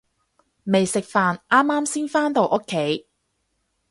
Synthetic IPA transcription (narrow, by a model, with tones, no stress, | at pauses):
me˨jsɪ˨k̚faː˨nʔaː˥mːaː˥msiː˥nfaː˥nt̪o˨wʔo˥kʰːe˨˥j